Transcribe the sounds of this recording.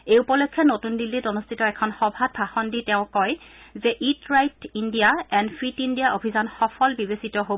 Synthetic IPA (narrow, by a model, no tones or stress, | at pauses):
ejupɔlɔkʰːjɔnotundilːitɔnostʰitɔɛkʰɔnxɔbʱad̚bʱaxɔnditɛʊ̃kɔjzɛʔitɹajtindijaɛnfʰɹitindijaʔobʱizɔnxɔfʰɔlbibesitɔɦo